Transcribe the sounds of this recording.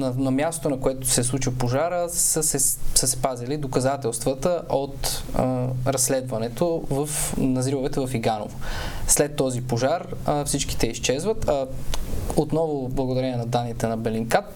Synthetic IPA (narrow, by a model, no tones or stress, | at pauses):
nɐnɐmʲjast̪o̥t̪onɐkoɛt̪o̥sɛslˠut͡ʃipoʒaɾəsəsɛsəspazilid̪okɐzat̪ɛlˠst̪vət̪əʔot̪ | ɾɐsːlɛd̪vɐnɛt̪ovəfnɐzimovɛt̪ɛvɐfiɡano̰voslɛt̪ːɔzipoʒaɾəfsit͡ʃk̟i̥t̪ɛiʃt͡ʃɛzvət̪a | ot̪nɔvʊblˠɐɡod̪ɐɾɛniɛnɐd̪anːit̪ɛnɐbɛliŋkat̪̚